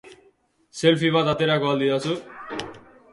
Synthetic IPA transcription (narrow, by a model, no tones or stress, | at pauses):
selpʰiβad̪at̪eɾakɔld̪iasʰu